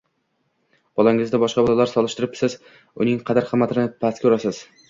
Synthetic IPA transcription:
b̥ɒlˠaŋɪzd̪abɒʃqɑbɒlˠalaɾsɒlˠɪʃt̪ɪɾɪp̚sɪz | ʊnɪŋqʰɑd̪aɾqʰɨmːat̪ʰɪnɪpʰaskʲʰʊɾasɪz̥

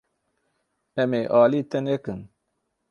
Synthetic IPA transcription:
emeʔaːlit̪enekɨn

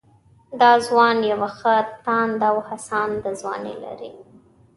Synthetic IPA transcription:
d̪ɑzwɑnjawaxət̪ɑnd̪awhasɑnd̪əzwɑ̰nḛla̰ɾi

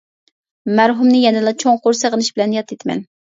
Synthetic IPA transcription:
mæɾɦumnɪjɛnɪlɑt͡ʃʰoŋqoɾsəʁənɨʃbɪlɛnjɑt̪ʰːet̪ʰmɛ̰n

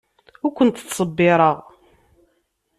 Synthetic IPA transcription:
ʊɾkʷənt̪sˤəbːɪɾˤəʁ

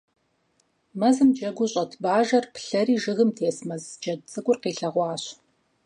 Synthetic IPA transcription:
mɐzɨmd͡ʒɐɡʷʊɕʼɐtʰbaːʒɐrpɬɐɾiːʒɨɣɨmtʰeːsmɐzd͡ʒɐdt͡sʼɨɡʷʼʊrqiːɬɐʁʷɑːɕ

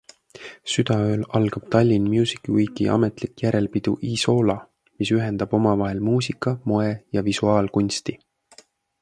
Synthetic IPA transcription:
syd̪̥ɑøːlɑlɡ̥ɑb̥t̪ɑlʲːinmjuːsi̥kˑiujɡiʔɑ̰me̞t̪likjæɾe̞lpid̪̥ṵʔiso̞ːlɑ | misyɦe̞nd̪̥ɑb̥o̞mɑvɑɦe̞lmuːsikːˑɑmo̞e̞jɑvisuɑːlkunʲst̪i

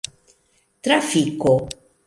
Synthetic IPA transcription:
t̪ɾafiko

